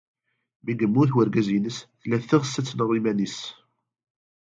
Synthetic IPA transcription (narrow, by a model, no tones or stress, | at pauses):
miɡəmːuθwəɾɡæzinəsθlæθːiʁəsːæt͡sːnəʁimænis